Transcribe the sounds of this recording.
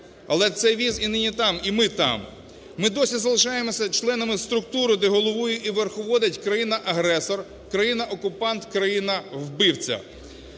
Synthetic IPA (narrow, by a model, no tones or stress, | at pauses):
ɐlˠɛt̪sɛjʋʲizinɪnʲit̪ɑmimɪt̪ɑ̰m | mɪd̪ɔsʲizɐlˠɪʃɑjemɔsʲɐt͡ʃlˠɛnɐmɪst̪ɾʊkt̪uɾʊd̪ɛɦɔlˠɔʋujʊʔiʋerxɔʋɔd̪ɐtʲkɾɐjinɐʔɐɦɾɛsɔr | kɾɐjinɐʔɔkʊpɑnt̪kɾɐjinɐwbɪwt͡sʲɐ̰